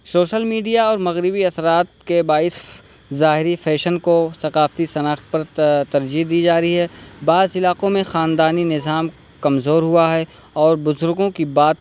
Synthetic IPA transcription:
soːʃəlmiːɖijaɔːɾmɐɣɾɪbiɐsɾaːt̪̚kebaːɪs | zaːɦɪɾifʰɛːʃənkosɐqaːft̪isɐnaːxt̪̚pɐɾt̪ɐɾd͡ʒid̪iːd͡ʒaːɾiɦɛːbaːzɪlaːqõmẽxaːnd̪aːninɪzaːm | kɐmzoːɾɦʊaɦɛ | ɔːɾbʊzʊɾɡõkibaːt̪

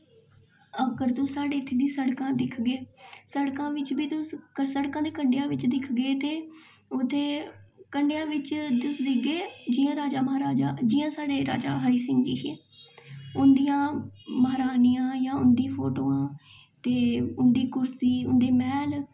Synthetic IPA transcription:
əɡəɾt̪ʊsːaːɖeːɪt̪ʰːeːd̪ĩːsəɽkãːd̪ɪkʰɡeːsəɽkãːʋɪt͡ʃbiːt̪ʊskəsəɽkãːd̪eːkəɳɖejãːʋɪt͡ʃd̪ɪkʰɡeːt̪eː | ʊt̪ʰːeːkəɳɖejãːʋɪt͡ʃd̪ʊsd̪ɪkʰɡeːd͡ʒiːãːɾaːd͡ʒaːməɦaːɾaːd͡ʒaːd͡ʒɪːãːsaːɖeːɾa̰ːd͡ʒa̰ːɦəɾiːsɪ̃ŋɡd͡ʒiːɦɛː | ʊnd̪ijãːməɦɾaːnijãːjãːʊnd̪iːpʰoːʈoːãː | t̪eːʊnd̪iːkʊɾsiːʊnd̪eːmɛːl

